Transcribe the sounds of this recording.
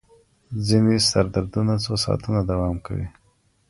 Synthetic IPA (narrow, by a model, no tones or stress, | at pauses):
zinest̪aɾd̪aɾd̪unat͡sosɑ̰t̪unad̪awɑmka̰wḭ